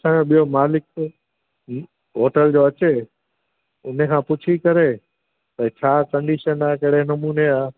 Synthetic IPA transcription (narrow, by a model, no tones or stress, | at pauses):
sãːoɓijomaːlɪk̚ | ɦoːʈəld͡ʑoɐt͡ɕe | ʊn̤ekʰãːpʊt͡ɕʰikɐɾe | t̪ɐt͡ɕʰaːkɐ̃ɳɖiːʃənaːkɐɽenɐmuːneaː